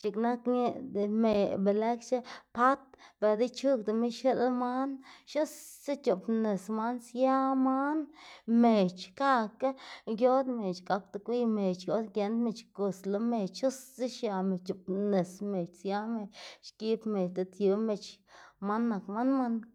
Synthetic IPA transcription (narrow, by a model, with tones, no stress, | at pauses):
t͡ʃi˧kna˦kne˧d̪e˨me˧˨be˨le˦kt͡ʃe˦pa˦t̪be˧˨d̪i˦t͡ʃu˦kd̪e˧˨me˦ʃe˦lma˦nʃo˦sːe˦t͡ʃo˨pne˨sma˦nsja˦ma˦nme˨t͡ʃka˧ke˦ɡjo˦d̪me˨t͡ʃɡa˧k̚t̪a˧kʷi˧me˨t͡ʃjo˦d̪ɡe˧˦nd̪me˧˨t͡ʃko˧slo˧me˧˨t͡ʃʃo˦sːe˦ʃja˧me˨t͡ʃo˨pne˨sme˨t͡ʃsja˦me˧ʃki˧˦pme˨t͡ʃt̪e˧t̪ju˧me˧t͡ʃma˦nːa˨kma˦nma˧n